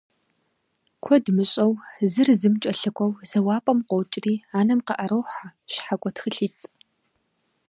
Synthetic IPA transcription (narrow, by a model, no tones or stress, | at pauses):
kʷʰɔdmɨɕʼɐwzɨrzɨmt͡ʃʼɐɬɨkʷʰʼɐwz̥ɐwaːpʼɐmqʷɔwt͡ʃʼriːaːnɐmqɐʔɐɾɐwħaʃħakʷʼɔtxɨɬiːt͡sʼ